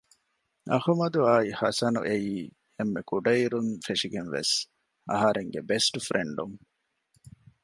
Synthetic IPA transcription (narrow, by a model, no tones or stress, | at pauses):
ɐ̰humɐd̪uaːihɐsɐnṵʔejiː | emːekuɖɐiɾunfeʂiɡenʋḛs | ɐ̰ɦɐɾeŋɡebesʈufɾʔeɳɖuŋ